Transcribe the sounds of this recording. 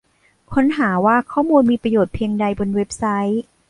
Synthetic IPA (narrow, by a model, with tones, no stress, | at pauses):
kʰo˦˥nɦaː˩˦waː˥˩kʰɔː˥˩muː˧nmiː˧pɾa˧joː˨˩t̪̚pʰiː˧ŋda˧jbo˧nwe˦˥p̚sa˦˥j